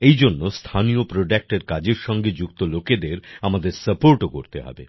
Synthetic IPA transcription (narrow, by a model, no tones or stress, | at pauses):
ejd͡ʑonːost̪ʰaniopɾoɖak̚ʈeɾkad͡ʑeɾʃɔŋɡed͡ʑukt̪oloked̪eɾamad̪eɾsəpoɾʈokoɾt̪ḛɦɔ̰bḛ